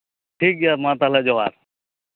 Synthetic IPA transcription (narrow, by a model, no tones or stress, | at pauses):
ʈʰiːk̚aːmãːt̪aːlad͡ʒoːʋa̰ːɾ